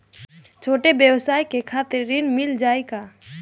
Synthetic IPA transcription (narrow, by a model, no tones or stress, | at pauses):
t͡ʃʰoːʈebjəwsaːjkekʰat̪ɪɾːɪnmɪld͡ʒaːika